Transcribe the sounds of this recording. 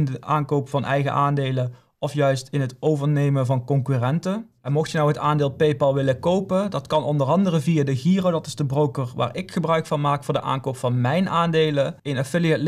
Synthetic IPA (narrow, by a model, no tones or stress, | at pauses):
ndəʔaːnkowpfɑnʔɛ̰jɣə̰ʔaːndejlən | ɔfjœɥstɪnɦətowvəɹnejmənvɑnkɔŋkyrɛntə | ɛmɔxtjənɔwɦətaːndeːlˠpejpɑlˠʋɪləkowpədɑtkɑnɔndərɑndərəvijaːdəɣiːrowdɑtɪ̥zdəbrowkəɹʋa̰ːɹɪkχəbrœɥkfɑnmaːkfʊːɹdəʔa̰ːnkowpfɑnmɛjnʔaːndejləɪnafɪliətl